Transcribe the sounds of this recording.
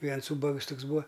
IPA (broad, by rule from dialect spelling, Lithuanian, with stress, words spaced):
ˈʋʲiɛns ˈuːbɐks ˈtʊks ˈbuːɐ